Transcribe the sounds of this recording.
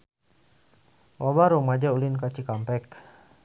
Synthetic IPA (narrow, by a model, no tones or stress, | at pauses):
wʔabaɾumad͡ʒaulinkat͡ʃikampɛk